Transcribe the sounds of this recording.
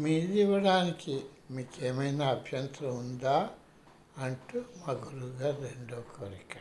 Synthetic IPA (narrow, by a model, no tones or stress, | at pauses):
miːliʋɐɽaːnikimiːkeːmɐjnaːɐbʱjɐnt̪ɾɐund̪aː | ɐɳʈumaːɡuɾuɡaːɾeɳɖoːkʰoːɾikɐ̥